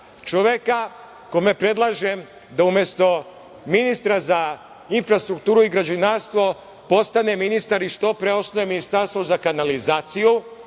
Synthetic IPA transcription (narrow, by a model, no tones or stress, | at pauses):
t͡ʃoʋjeka | komepɾe̞d̪lˠaːʒem | d̪aumjest̪o̞ | minist̪ɾaza | infɾast̪ɾukt̪uːɾuiɡɾad͡ʑunaːst̪ʋo̞ | po̞st̪ane̞minist̪aɾiʃt̪o̞pɾeosnojeminist̪aɾst̪vʋo̞zakanalizaːt̪siju